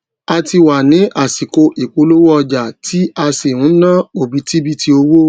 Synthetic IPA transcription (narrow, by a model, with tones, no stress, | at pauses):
a˧ti˧wa˨nĩ˨˦ʔa˦˨si˨ko˧ʔi˨k͡po˧lo˦wo˦ɔ˧d͡ʒa˨ti˦a˧se˨ɾ̃ũ˨˦nã˦o˨bi˨˧˦ti˦bi˦tʰi˧o˧wo˦